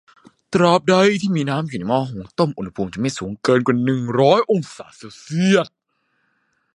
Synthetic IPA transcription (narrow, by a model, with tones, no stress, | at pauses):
t̪ɾɔː˧˩p̚da˧˩jt̪ʰiː˥˩miː˧naː˦˥mjuː˨˩nɛ˦jmɔː˥˩ɦo˩˦ŋt̪o˥˩mʔu˧nha˧pʰuː˧mt͡ɕa˨˩ma˥˩jsuː˩˦ŋkɤː˧nkwa˨˩nɯ˨˩ŋɾɔː˦˥jʔo˧ŋsaː˩˦seː˧˩wsi˥˩ət̪̚